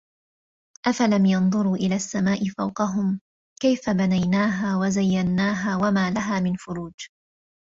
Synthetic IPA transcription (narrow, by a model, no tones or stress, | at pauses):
ʔafalamjɑnðˤʊɾuːʔɪlaːsːamaːʔɪfawqɑɦʊm | kajfabanajnaːɦaːwazajːanːaːɦaːwamaːlaɦaːmɪnfʊɾuːd͡ʒ